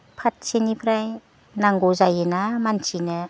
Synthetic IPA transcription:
pʰat̚senipʰɾaj | naŋɡozajenamant͡ʃinɯ

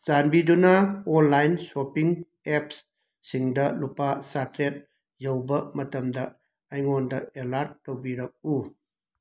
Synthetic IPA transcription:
zanbidunaɔnlajnsopiŋ | ep̚s | siŋdɐlupasatɾet̚ | jawbɐmɐtɐmdɐ | ajŋɔndɐelaɾt̚ːowbiɾak̚u

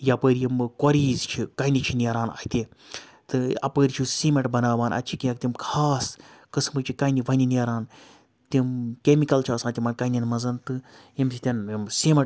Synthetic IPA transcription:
japəːɾʲijimkɐɾiːzt͡ʃʰikɐinit͡ʃʰiniɐɾaːna̰ːjit̪ʲe | t̪ɨɐ̰pəːɾʲit͡ʃʰisiːmɐʈbɐnaːʋaːnʔɐ̰tːt͡ʃʰikiɐk̚t̪ʲimkʰaːskɨsmɨt͡ʃʰikɐiniʋɐniniɐɾaːn | t̪ʲimkemikɐlt͡ʃʰiaːsãːt̪ʲimɐnkɐnʲinmɐzɐnt̪ɨjimt͡ʃʰit̪ʲɐnmsiːmɐ

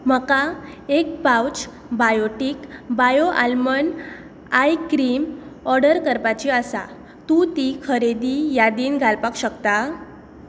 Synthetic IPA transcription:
məka | ek̚bawt͡ɕ | bajoʈiːkbajoʔa̰lmən | ajkɾiːmɔɾɖəɾkəɾpat͡ɕiəsa̰ | t̪ut̪ikʰəɾed̪ijad̪iːnɡʱalpakɕəkt̪a

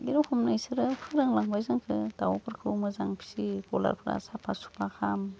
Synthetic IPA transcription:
ɡiɾɔhʰumnajsɯɾɯpʰɯɾɯŋlaŋbajzɯŋkʰɯ̰d̥awapʰɯɾkʰɯwmɯzaŋpʰi̥sibɔla̰ɾpʰɯɾa̰sapʰasu̥pʰakʰam

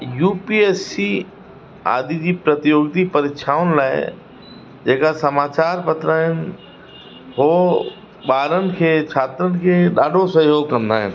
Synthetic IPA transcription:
juːpieːsi | a̰ːd̪id͡ʑiːpɾɐt̪ɪjoːɡt̪ipɐɾɪkʃʰaːʋʊnɪ̆laːɪ̰ | d͡ʑeːkasɐmaːt͡ɕaːɾpɐt̪ɾaːɦɪnɪ̆ | ɦoː | ɓaːɾənɪ̆kʰeːt͡ɕʰaːt̪ɾənɪ̆kʰeːɗaːɖʱosɐɦjoːɡ̚kɐ̃nd̪a̰ːɦɪ̰nɪ̆

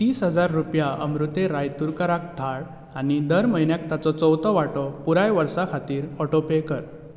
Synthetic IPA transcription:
t͡ɕ̪iːsɦəd͡zaɾːupjaə̰mɾut̪eɾajt̪uɾkəɾak̚d̪ʱaɭ | añid̪əɾməinjak̚t̪at͡sɔt͡sɔwt̪ɔʋaʈɔpuɾajʋəɾsakʰat̪iːɾɔʈopekəɾ

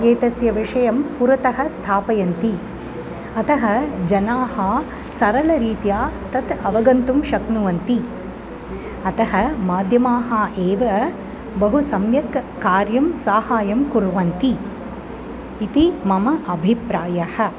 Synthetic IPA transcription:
eːt̪ɐsjɐʋiʂɐjɐmpuɾɐt̪ɐɦɐ̆st̪ʰaːpɐjɐnt̪i | ɐt̪ɐɦɐd͡ʒɐnaːhɐ | sɐɾɐlɐɾiːt̪jaːt̪ɐt̪ɐʋɐɡɐnt̪umʃɐknuʋɐnt̪i | ɐt̪ɐɦɐmaːd̪ʱjɐmaːɦaːʔeːʋɐ | bɐɦusɐmjɐkː | aːɾjɐmsaːhaːjɐmkuɾuʋɐnt̪i | t̪imɐmɐʔɐbʱipɾaːjɐhɐ

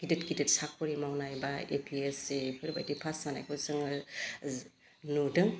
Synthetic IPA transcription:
ɡ̥idetɡidetsak̚ʰpɔɾimawnajbaḛpʰiesepʰɯɾba̰jdipʰasmana̰jkʰɔzɯŋ | nudɯŋ

